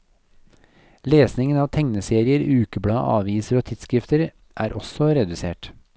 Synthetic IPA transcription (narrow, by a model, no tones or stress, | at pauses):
leːsnɪŋənɑːʋt̪ʰɛŋnəseːɾɪəɾʉːkəbɽɑ̰ːʔɑ̰ːʋiːsəɾoːt̪ʰɪt̪skɾɪft̪əɾ | ʔæːɾʔɔsɔɾɛd̪ʉsḛːʈ